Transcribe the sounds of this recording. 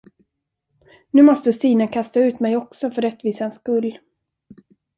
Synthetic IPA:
nʉ̟ːmɔst̪əst̪iːnakʰast̪aʉ̟ːt̪mɛjɔksɔfœɾɛt̪ːviːsaanskɵlː

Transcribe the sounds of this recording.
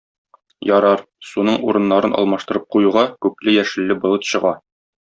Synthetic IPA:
jɒɾɑɾ | sunɤɴʔuɾɤ̆nːɑɾɤnʔɒ̰lˠmɑʃt̪ɤ̆ɾɤp̚qujuʁɑkʉplɘjæʃɘ̆lːɘbŏlˠɤt̪ɕɤ̆ʁɑ

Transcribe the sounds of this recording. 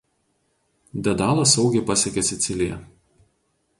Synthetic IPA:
d̪ʲɛd̪ɑːlˠɐsɒʊɡʲeɪpɐsʲɛkʲɛsʲɪt̪sʲɪlʲɪjɛ̰

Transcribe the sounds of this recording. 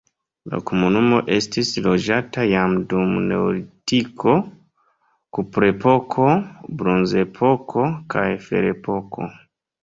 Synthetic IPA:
la̰ko̞munumo̞ʔe̞stislo̞d͡ʒatajamdumnḛwlitikʰo̞ | kupɾe̞po̞kʰo̞bɾonze̞pʰo̞kʰo̞kʰajfe̞̰ɾe̞po̞kʰo̞̰

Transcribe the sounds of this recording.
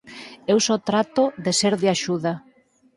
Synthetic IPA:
ewsɔt̪ɾat̪oðeseɾðeaʃuða

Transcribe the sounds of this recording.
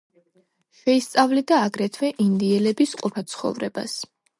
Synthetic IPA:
ʃɛist̪sʼavlid̪aːɡɾɛt̪ʰvɛʔind̪iɛlɛbisqʼupʰat̪sʰχɔ̰vɾɛ̰b̥a̰s

